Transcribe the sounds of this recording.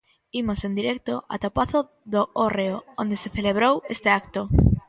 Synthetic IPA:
imosend̪iɾɛk̚t̪oʔa̰t̪apaθo | ðooreoond̪eseθeleβɾowest̪eakt̪o

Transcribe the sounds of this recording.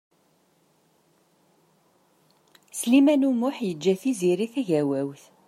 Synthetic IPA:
slimænumʊħjəd͡ʒːæθiziɾiθæʝæwæwθ

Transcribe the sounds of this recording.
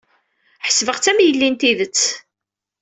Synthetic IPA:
ħə̥sːvəʁt͡sæmjəlːint̪iðət͡sː

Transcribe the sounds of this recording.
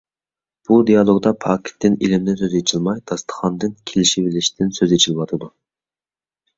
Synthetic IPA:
b̥ud̪ijɑlˠoɡd̪ɑpʰɑkʲʰt̪ːɪnilɪmnɪsøzet͡ʃʰilˠmɑjd̪̥ɑst̪ʰə̥χɑnd̪ɨnkʲʰelɪʃibɪlɪʃd̪ɪnsøzet͡ʃʰilɪwɑt̪ʰɨd̪u

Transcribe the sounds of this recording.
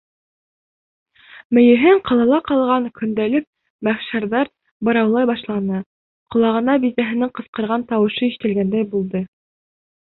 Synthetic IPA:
mɘ̆jɘ̆ɦɘɴqɑlˠɑlˠɑqɑlˠʁɑŋkɵ̆nd̪ælɘk̚ | mæχʃɑɾðɑɾ | bɤ̆ɾɑwlˠɑjbɑʃlˠɑnɤ | qŏlˠɑʁɤ̆nɑbit̪æɦɘ̆nɘɴqɤ̆sqɤ̆ɾʁɑnt̪ɑwɤ̆ʃɤiʃɘ̥̆t̪ɘ̆lɡænd̪æjbulˠd̪ɤ

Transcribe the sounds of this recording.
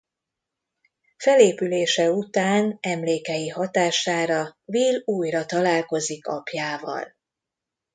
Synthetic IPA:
fɛleːpyleːʃɛut̪aːnɛmleːkɛjihɒt̪aːʃaːɾɒviluːjrɒt̪ɒlaːlko̞zikɒ̰pjaːvɒ̰l

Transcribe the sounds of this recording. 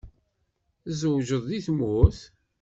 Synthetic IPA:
zəwʒəðˤðiθmʊθ

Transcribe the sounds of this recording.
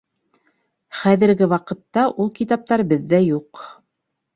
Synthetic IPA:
χæðɘ̆ɾɡɘwɑqɤ̆t̪ːɑʔulˠkit̪ɑp̚t̪ɑɾbɘðːæjuq

